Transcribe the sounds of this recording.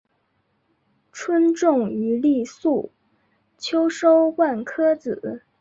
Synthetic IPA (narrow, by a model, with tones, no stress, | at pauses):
ʈ͡ʂʰwə˥nʈ͡ʂʊ˥˩ŋy˧˥li˥˧su˥˩ | t͡ɕʰjo˥ʊʂo˥ʊwa˥˩nkʰɤ˥t͡sɹ̩˨˩˦